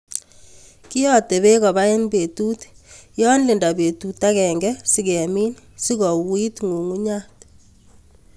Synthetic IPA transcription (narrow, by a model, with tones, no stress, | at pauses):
ki˦jɔ˦t̪e˨βe˦kɔ˨ba˦e˦nbe˨tu˦tjɔ˦nlɪ˨nda˨be˨tu˨ta˦kɛ˨ŋɡɛ˦si˦kɛ˨mi˦n | si˦kɔ˨wi˦tŋu˨ŋu˦ɲa˦t